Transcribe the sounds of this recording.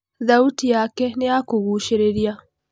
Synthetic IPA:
ðautijaːkenijakuɣuːʃeɾeɾja

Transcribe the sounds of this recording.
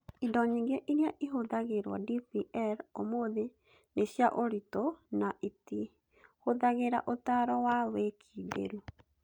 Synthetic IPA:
idɔɲiŋɡeʔiɾjaʔiɦoðaɣeɾwa̰dipiʔɛɾomoðe | neɕjaʔoɾitonaʔiti | hoðaɣeɾa̰ʔotaɾɔwawekʰidḛɾu

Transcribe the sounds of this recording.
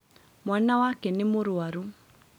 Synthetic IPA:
mwanawakɛnemoɾoaɾu

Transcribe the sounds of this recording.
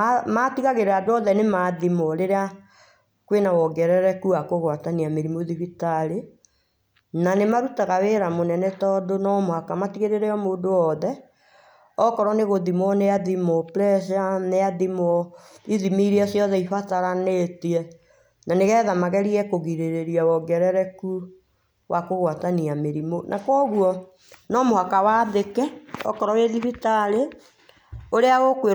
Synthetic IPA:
matiɣaɣeɾeadoɔðɛnemaðimɔɾeɾea | kwenawɔɡɛɾɛɾɛkuakoɣwataniameɾimoðiβitaɾe | nanemaɾutaɣaweːɾamonɛnɛtɔdonɔmoakamatiɣeɾeɾɛɔmoːdoɔðɛ | ɔkɔɾɔneɣoðimɔneaðimoplɛsaneaðimɔiðimiɾiasjɔðɛifataɾanetiɛ | naneɣɛðamaɣɛɾiɛkoɣiɾeɾeɾiawɔɡɛɾɛɾɛku | wʔakoɣwataniameɾimonʔakwɔɣuɔ | nɔmohakawaːðekɛɔ̰kɔɾɔweðifitaɾe | oɾeaɣokwe

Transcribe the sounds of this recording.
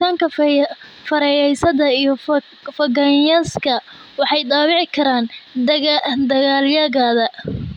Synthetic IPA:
aːŋkʰɐ | fɐɾɛjɛjsɐðɐijɞ | fɐɡɐnjɐskʰɐ | wɑħɑjd̪ɑːwɪʕɪkʰɐɾaːn | d̪ɐɣaːljɐɣaːðɐ

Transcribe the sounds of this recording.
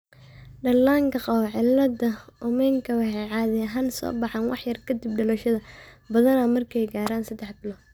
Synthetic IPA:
ɖɐlːaːŋkʰɐqɑwʕɪlːɐd̪ɐʊmɛŋkʰɐwɑħɛjʕɑːðɛɐɦaːnsɔ̰ːbɑħɑnwɑ̰ħjɐrkʰɐd̪ib̚ɖɐlɔʃɐðɐ | bɐðɐnɐmɐrkʰɛjɡaːɾaːnsɐd̪ɛħbɪlɔ

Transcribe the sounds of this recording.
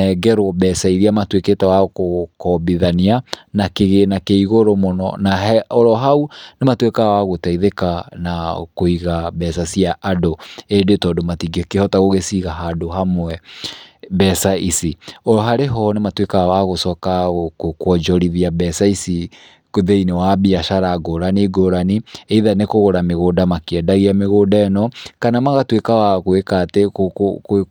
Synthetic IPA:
ɛɡɛɾoɔbɛsaiɾiamatweketawakokɔbiðanianakeɣenakeiɣoɾomonɔ̰naɦɛɔɾɔɦaunematwekawaɣotaiðekanakoiɣabɛsasiaʔadoedetɔdɔmatiɡikehɔtaɣoɣesiɣaɦadoɦamwɛ | bɛsaisiɔɦaɾeɦɔnematwekawaɣosɔkaokokwɔd͡ʒɔɾiðiabɛsaisi | koðeinewabiaʃaɾaɡoɾaniɡoɾanieiðanekoɣoɾameɣodamakeɛdaɣiameɣodaɛnɔkanamaɣatwekawaɣoekateok

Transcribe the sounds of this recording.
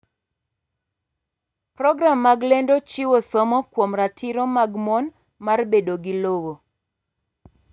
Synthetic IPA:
prɔɡɾamːaɡlendot͡ʃiwosɔmɔkwomɾatʰiɾɔmaɡmɔn | marbedoɡɪlowo

